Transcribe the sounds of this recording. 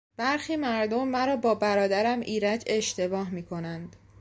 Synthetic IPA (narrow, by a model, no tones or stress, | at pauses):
b̥æɾxiːmæɾd̪o̞mːæɾɒːbɒːbæɾɒːd̪æɾæmʔiːɾæd͡ʒe̞ʃt̪e̞bɒːɦmiːkʰo̞nænd̪̥